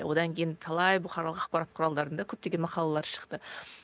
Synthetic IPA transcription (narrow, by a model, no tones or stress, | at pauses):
wo̞d̪ɑŋkʲʰejɪnt̪ʰɑlˠɑjbʊχɑɾɑlˠəqɑqpɑɾɑt̪̚qʰʊɾɑlˠd̪ɑɾənd̪ɑkʲʰɵp̚t̪eɡʲenmɑqɑlˠɑlˠɑɾʃə̥qt̪ə